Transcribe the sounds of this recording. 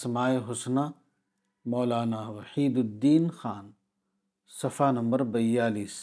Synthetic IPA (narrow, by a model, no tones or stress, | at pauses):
smaːiɦʊsna | mɔːlaːnaʋɐħiːd̪ʊd̪ːiːnxaːn | sɐfaːnɐmbɐɾbɐjaːliːs